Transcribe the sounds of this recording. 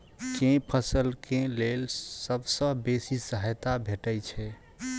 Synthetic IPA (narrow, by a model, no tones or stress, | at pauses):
kẽpʰəsəlkẽlelsəbsə̃besisəɦəjt̪abʱeʈəjt͡ʃʰɛ